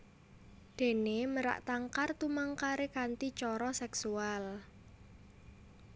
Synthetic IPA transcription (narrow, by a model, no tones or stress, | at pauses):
d̪̥e̤neməɾa̰ʔt̪aŋkart̪umaŋkaɾekant̪it͡ʃɔɾɔsɛksual